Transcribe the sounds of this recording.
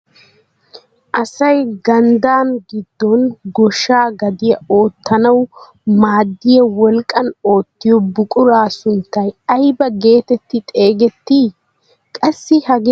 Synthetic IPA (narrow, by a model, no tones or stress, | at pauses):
ʔɐsɐjɡɐnd̪aːnɡɪd̪ːɔnɡɔʃaːɡɐd̪ɪjɐo̞ːt̪ːɐnɐw | maːd̪ːɪjɐwɔlkʼːɐno̞ːt̪ːɪjɔbʊkʼʊɾaːsʊnt̪ːɐjɐjbɐɡe̞ːt̪ɛt̪ːɪt̪ʼe̞ːɡɛt̪ːi | kʼɐsːɪhɐɡ